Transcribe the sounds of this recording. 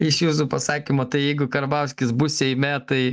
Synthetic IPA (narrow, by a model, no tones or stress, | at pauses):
ɪʃjuːs̬uːpɐsɑːkʲimoːt̪ɐɪjɛɪɡʊkɐɾbɐʊsʲkʲɪsbʊsʲɛɪmʲɛt̪ɐɪ